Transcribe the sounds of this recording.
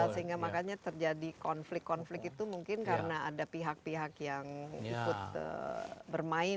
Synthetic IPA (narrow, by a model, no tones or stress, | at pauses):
səɦiŋɡamakaɲat̪ərd͡ʒadikɔnflɪkːɔnflɪkit̪umuŋkɪnkaɾənaadapiɦak̚piɦakjaŋikʊt̪̚ə̰bərmaɪ